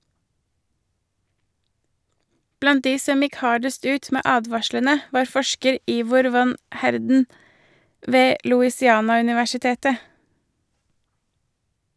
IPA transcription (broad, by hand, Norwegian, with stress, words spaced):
ˈblɑnt ˈdiː ˈsɔm ˈɪk ˈhɑːɖəst ˈʉːt ˈmeː ˈʔɑːdʋɑʃlənə ˈʋɑːɾ ˈfɔʃkəɾ ˈiːʋʊɾ ˈʋɑn ˈhæɾdn̩ ˈʋeː lʊɪsɪˈɑːnɑʉnɪʋæʃɪˌteːtə